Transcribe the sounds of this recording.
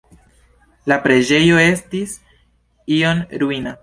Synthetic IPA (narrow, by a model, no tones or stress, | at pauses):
lapɾe̞d͡ʒe̞jo̞e̞stis | ionɾuina